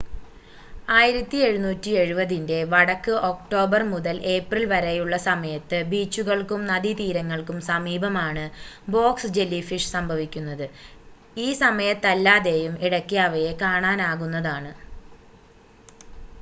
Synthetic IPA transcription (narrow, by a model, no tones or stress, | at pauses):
aːjiɾɐt̪ːie̞ɻunuːtːie̞ɻubɐðinde̞ʋɐɽɐkːɨʔo̞kʈo̞ːbɐrmuðɐlʔe̞ːprilʋɐɾejuɭːɐsɐmɐjɐt̪ːɨbiːt͡ɕːuɣɐɭkumnɐðit̪iːɾɐŋːɐɭkumsɐmiːbʱɐmaːɳɨ | bo̞ːksd͡ʑe̞lːifiʂsɐmbʱɐʋikʲːunːɐðɨ | iːsɐmɐjɐt̪ːɐlːaːðe̞ːjumiɽɐkːijaʋɐjekaːɳaːnaːɣunːɐðaːɳɨ